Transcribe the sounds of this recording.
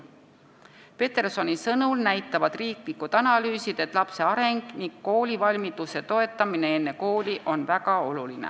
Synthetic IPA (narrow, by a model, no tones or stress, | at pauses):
pe̞t̪e̞rso̞nʲisɤnulnæjt̪ːˑɑvɑd̪̥riːklikːud̪̥ɑnɑlyːsid̪̥e̞t̪ˑlɑpse̞ɑɾe̞ŋɡ̥niŋɡ̥̚ko̞ːlʲivɑlʲmid̪̥use̞t̪o̞e̞t̪ːˑɑmine̞e̞nːe̞ko̞ːlʲiʔo̞nvæɡ̥ɑo̞lulinḛ